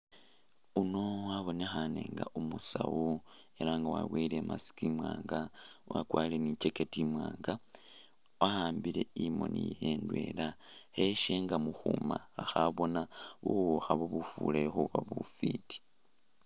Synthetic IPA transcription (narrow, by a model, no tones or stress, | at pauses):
uno̞waβo̞nexane̞̰ːŋɡaʔumusawu | e̞laŋɡawaβwile̞mʔasi̥kimwaːŋɡawakwalenit͡ʃe̞ketimwaːŋɡa | wahaːmbile̞imo̞̰nijendwelaxeʃeŋɡamuxumaaxaβo̞naβuwoxaβoβufṵlexuβaβufiti̥